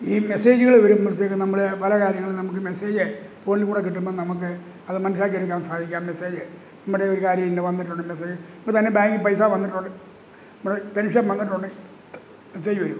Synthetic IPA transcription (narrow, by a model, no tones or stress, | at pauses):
iːme̞se̞ːd͡ʑuɣɐɭʋɐɾummiɾt̪ːekːɨnɐmːuɭepɐlɐkaːɾjɐŋːɐɭɨnɐmuk̬ːɨme̞se̞ːd͡ʑepo̞ːnilkuːɽek̬ːiʈːumboðnɐmuk̬ːɨ | ɐðɨmɐnɐs̬ilaːkːeɽuk̬ʲːaːmsaːd̪ʱikʲːaːmme̞seːd͡ʑɨ | nɐmːuɽeoɾukaːɾjɐmindeʋɐnːiʈ̬ːuɳɖɨmes̬e̞ːd͡ʑɨɐpːot̪ɐnːebaːŋɡɨpɐjsaːʋɐnːiʈːuɳɖɨ | pːpeɾipʂɐɐmʋɐnːiʈ̬ːuɳɖɨ | meseːd͡ʑɨʋɐɾum